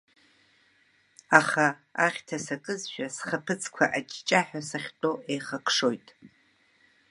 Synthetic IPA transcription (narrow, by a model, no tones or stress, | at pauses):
aχaaχʲtʰasakʼɨzʃᶣasχapʰɨt͡sʰʼkʷʰa̰ʔat͡ʃʼt͡ʃʼaħᶣasaχʲtʼoʔejχakʰʂo̞jtʼ